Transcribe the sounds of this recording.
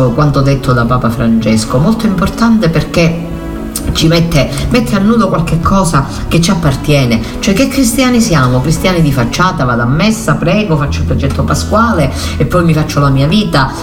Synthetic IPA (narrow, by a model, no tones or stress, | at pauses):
okwant̪od̪ːet̪ʰːod̪apaːpafɾant͡ʃɛskomolt̪oimport̪ant̪eperke | t͡ʃːimɛt̪ːemɛt̪ʰːeanːuːd̪okwalk̟ekʰːɔːsa | ket͡ʃːiapːart̪jɛːne | t͡ʃoɛk̟ːekːɾist̪jaːnisjaːmokɾist̪jaːnid̪ifat͡ʃːaːt̪avaːd̪amːɛsːapɾɛːɡofat͡ʃːoilpɾɔd͡ʒɛt̪ːopaskwaːle | epːɔjmifat͡ʃːolamiːaviːt̪a